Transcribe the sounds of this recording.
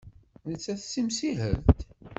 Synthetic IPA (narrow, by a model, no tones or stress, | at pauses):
nət͡sːæθsimsiɦə̰lt̪